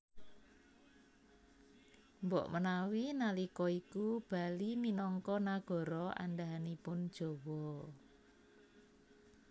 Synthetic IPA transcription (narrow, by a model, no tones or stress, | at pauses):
mbɔʔmənawinalikɔikub̥a̤liminɔŋkɔnaɡ̥ɔ̤ɾɔa̰ndaɦanipʊnd̥ʒ̥ɔ̤wɔ